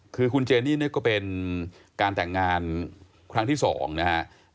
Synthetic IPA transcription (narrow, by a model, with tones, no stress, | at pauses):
kʰɯː˧kʰu˧nt͡ɕeː˧nːiː˥˩ni˥˩˨kɔː˥˩pe˧n | kaː˧nt̪ɛ˨˩ŋːaː˧n | kʰɾa˦˥ŋt̪ʰiː˥˩sɔ̰ː˩˦ŋna˦˥ha˦˥ʔ